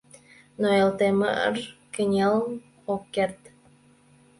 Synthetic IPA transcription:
noelt̪emə̰ə̰rkə̆nʲel | okːert̪

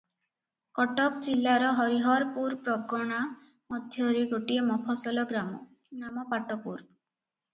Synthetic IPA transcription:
kɔʈɔkd͡ʒilːaɾɔɦɔɾiɦɔɾpuɾpɾɔɡɔɽ̃a | mɔd̪ʱjɔɾeɡoʈiemɔpʰɔsɔlɔɡɾamɔ̰kinamɔpaʈɔpuɾ

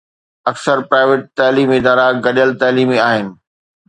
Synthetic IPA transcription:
ɐksəɾpɾaːɪʋeːʈ̚t̪aːliːmɪd̪aːɾaɡɐɗəlt̪aːliːmiaːɦɪnɪ̆

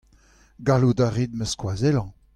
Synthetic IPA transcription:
ɡalud̪aʁid̪məskwazɛlɑ̃

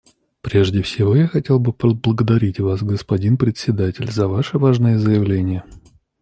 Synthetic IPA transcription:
pɾʲe̞ʐdʲɪfsʲɪvojaxɐtʲe̞lˠbɨpblˠəɡəd̪ɐɾʲitʲvasɡəspɐdʲinpɾʲɪt̪ʲsʲɪd̪atʲɪlʲzɐvaʂɨvaʐnɨjəzəjɪvlʲenʲɪjə

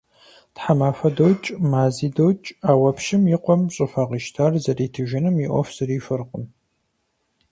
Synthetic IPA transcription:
tħamaːfɐdowt͡ʃʼmaːziːdowt͡ʃʼaːwɐpʰʃɪmjɪqʷɔmɕʼɨfaːʁiːʃtʰaːrzɐriːtʰɨʒɪnɨmiʔʷɔfz̥ɨriːfɨrqʼəm

